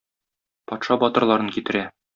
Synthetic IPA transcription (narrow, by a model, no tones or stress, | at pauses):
pɒt̪ʃɑbɒt̪ɤ̆ɾlˠɑɾɤŋkit̪ɘ̆ɾæ